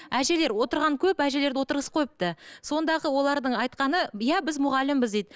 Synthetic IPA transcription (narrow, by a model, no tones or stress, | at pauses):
æʒe̞le̞ɾwo̞t̪əɾʁɑŋkʲʰɵpæʒe̞le̞ɾd̪ɪwo̞t̪əɾʁəsqʰo̞jəp̚t̪əso̞nd̪ɑʁəwo̞lˠɑɾd̪əɴɑjt̪̚qɑnəjæbɪzmʊʁɑlːɪmbɪzd̪ejd̪